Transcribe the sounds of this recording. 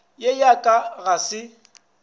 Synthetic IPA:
jejakʼaɣasɪ

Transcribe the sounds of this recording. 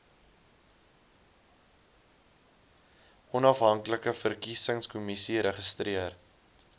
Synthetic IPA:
ɔnɐfɦɐŋkləkəfərkisəŋskumisiɾəχəstriər

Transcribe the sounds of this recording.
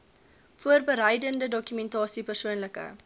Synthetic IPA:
fuərbəɾɛjdəndədɔkymɛntɑːsipərsuənləkə̰

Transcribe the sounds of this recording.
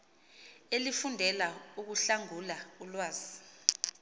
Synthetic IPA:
elifundʱɛlauk̬uɬaŋulaulwaːzi

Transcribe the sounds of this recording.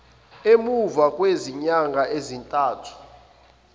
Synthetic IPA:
emuvakʼweziɲaŋɡʱaʔezintʼaːtʰu̥

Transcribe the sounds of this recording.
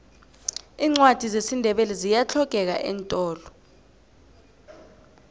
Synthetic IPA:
iːŋ͡ǀwad̥ʱizesindʱɛɓɛlɛzijat͡ɬʰɔkɛk̬a̰ʔɛ̰ntʼɔːlɔ

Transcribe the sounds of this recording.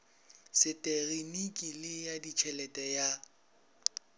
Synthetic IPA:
sɪtʼɛɣinikʼilɪjadit͡ʃʰɛlɛtʼɛja

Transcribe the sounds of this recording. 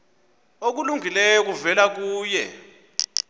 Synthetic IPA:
ok̬uluŋʱilɛjɔk̬uvɛlak̬uːjɛ

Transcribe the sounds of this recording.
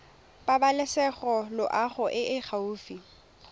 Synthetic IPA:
pabalɪsɛχɔlʊʔaχʊʔɪʔɪχʰauːfi

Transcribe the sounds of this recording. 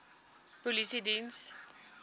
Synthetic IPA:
pɔlisidiːns

